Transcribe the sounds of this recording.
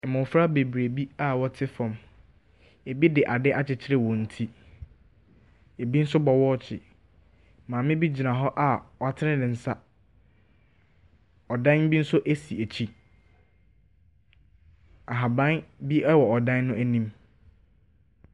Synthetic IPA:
ɛ˨mʊ̃˨fɾa˦be˨bɾe˨bi˦a˦wɔ˦tʰɪ˦fɔ̃˨m | e˨bi˦dɪ˨ʔa˨dɪ˦ʔa˦t͡ɕʰɪ˨t͡ɕʰɪ˦ɾɪ˦wɔ̃˨n̩˨tʰi˦ | e˨bi˦n̩˦s̬ʊ˦bɔ˨wɔ˦t͡ɕʰɪ˨ | mãː˨mɪ̃˦bi˦d͡ʑi˨nã˨ɦɔ˦ʔa˨wɔ˨a˨tʰɪ˦nɪ̃˦dɪ̃˨n̩˦sa˦ | ɔ˨dã˦n˦bi˦n̩˦sʊ˦ʔæ˦si˨æ˨t͡ɕʰi˦ | a˨ɦa˨bã˦nbi˦ɛ˦wɔ˨ɔ˨dã˦nːʊ̃˦ʔæ˦nĩ˦m

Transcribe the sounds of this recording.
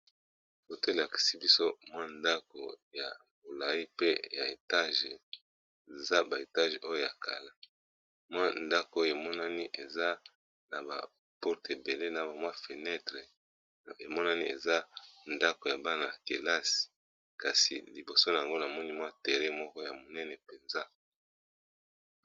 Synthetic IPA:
ko˨to˦e˨la˨ki̥˨si˦bi˦so˦mwa˦nda˦ko̰˨ja̰˨ | bo˨la˨i˦pe˦ja˨e˨ta˦ʒe˨ | e˨za˦ba˨e˨ta˦ʒo˦jo˦ja˨kʰa˨la˦ | mwa˦nda˦ko˨˦o˦o˨e˨mɔ˦na˦ni˦ʔe˨za˦ | na˨ba̰˨ | pɔ˦ʁte˨be˨le˦na˨ba˨mwa˦fe˨nɛ˦tʁe˨ | e˨mɔ˦na˦ni˦ḛ˨za˦nda˦ko˨ja˨ba˦na˨ke˨la˦si̥˨ | ka˨sḭ˨li˨bo˨so˦na˨a˨ŋɡo˦na˨mɔ˦ni˦mwa˦te˨ʁe˦mɔ˦kɔ˦ja˨mo˨nɛ˦nɛ˨pe˨nza˦

